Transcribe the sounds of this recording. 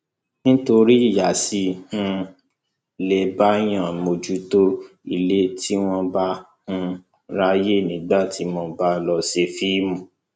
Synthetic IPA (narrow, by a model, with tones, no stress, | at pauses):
nĩ˦to˧ɾi˦i˦˨ja˨si˧˦hũ˧ | le˨ba˦j̃ã˦˨mo˧d͡ʒu˦to˦ | i˨le˨˦tʰi˦w̃ɔ̃˦ba˦ | hũ˧ | ɾa˧je˦˨nĩ˨˦ɡ͡ba˦˨tʰi˨˦mɔ̃˧ba˦lɔ˧se˧fi˦mũ˨